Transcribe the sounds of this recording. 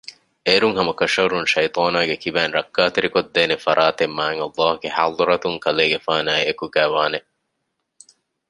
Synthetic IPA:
eːɾuŋɦɐmɐkɐʃɐɾunʃɐjt̪ˤɑːnaːɡekibæːnɾɐkːaːt̪eɾikod̪ːeːnefɐɾʔaːt̪emːaːŋɐlːɑːhuɡeha̰ːd̪ˤɾɐt̪uŋkɐleːɡefaːnæːekuɡæːʋaːne

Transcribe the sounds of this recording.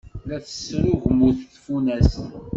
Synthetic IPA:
læθə̥sːɾuʝmuθθfunæs

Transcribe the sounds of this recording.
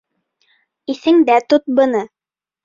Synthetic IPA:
iθɘŋd̪æt̪ot̪̚bɤ̆nɤ

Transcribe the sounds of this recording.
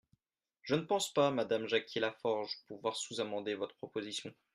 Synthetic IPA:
ʒ̥ənəpɑ̃spamad̪amʒakʲʰilafɔʁʒpuvwaʁsuzamɑ̃d̪evɔt̪χəpχɔpozisjɔ̃

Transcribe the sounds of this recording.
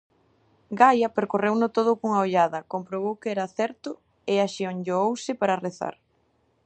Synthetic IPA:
ɡajɐpeɾkorewnʊt̪oð̞ʊkoŋaoʎaðɐkompɾoβ̞owkɛɾɐaθɛɾt̪ʊ | ɪaʃioŋʎoowsɪpaɾɐreθa̰ɾ

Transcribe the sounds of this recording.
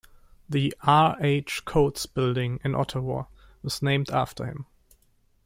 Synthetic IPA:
ðiʔaɹeɪt͡ʃkʰoʊtsb̥ɪlˠdɪ̃ŋɨ̃nʔɔ̰tʰəwɔ̰ɹ | wʌz̥nẽɪ̃mdæ̰ftʰə̰˞hɪ̰̃m

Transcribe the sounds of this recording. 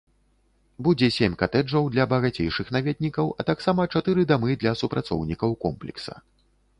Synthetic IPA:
bud͡zʲɛsʲemʲkat̪ɛd͡ʐɐwd̪lʲɐbɐɣat͡sʲejʂɨxnavʲɛd̪̚ʲnʲikɐwɐt̪aksamɐt͡ʂat̪ɨɾɨd̪amɨd̪lʲɐsupɾat̪sɔ̰wnʲikɐwkɔmplʲɛ̰ksɐ̰

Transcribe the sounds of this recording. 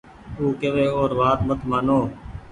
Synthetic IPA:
uːkeʋeːoːɾʋaːt̪mət̪maːnoː

